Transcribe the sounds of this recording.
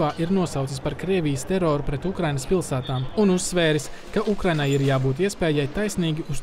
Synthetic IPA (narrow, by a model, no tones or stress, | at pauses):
aːʔiɾnuɔsawt̪sispaɾkɾiɛvʲijəst̪ɛɾoːɾupɾɛt̪ukɾajnəspilˠsæːt̪aːmunusːʋɛːɾis | kaʔukɾajnajiɾjaːbuːt̪iɛspɛːjajt̪ajsniːɡʲius